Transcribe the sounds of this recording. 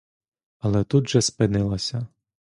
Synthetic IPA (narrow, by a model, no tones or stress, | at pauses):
ɐlˠɛt̪ud̪ʒɛspɪnɪlˠɐsʲɐ